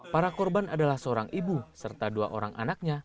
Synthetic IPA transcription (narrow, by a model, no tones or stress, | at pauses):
paɾakɔrbanadalahsəoɾaŋibusərt̪adua̰ʔoɾaŋʔa̰nak̚ɲa